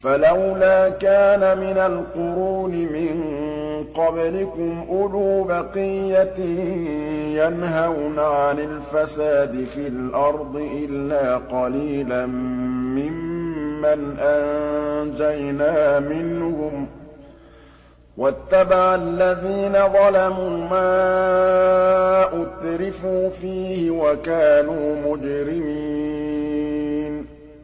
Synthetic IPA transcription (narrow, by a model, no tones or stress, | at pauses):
falawlaːkaːnamɪnalqʊɾuːnɪmɪŋqɑblɪkʊmʔʊluːbɑqijːat̪ | janɦawnaʕanalfasaːd̪ɪfiːlʔɑɾˤd̪ˤɨʔɪlːaːqɑliːlamːɪmːanʔand͡ʒajnaːmɪnhhʊm | wʔat̪ːabaʕalːaðiːnaðˤɑlamuːmaː | ʔʊtɾɪfuːfiːhɪwakaːnuːmʊd͡ʒɾɪmiː | n